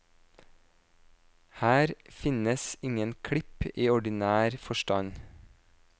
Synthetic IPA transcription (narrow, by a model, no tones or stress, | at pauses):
hæːɾfɪnəsɪŋənkʰɽɪpiːɔɖɪnæːɾfɔʃtɑɲ